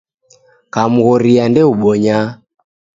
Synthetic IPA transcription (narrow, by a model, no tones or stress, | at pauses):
kamuɣɔɾiandɛuɓɔɲa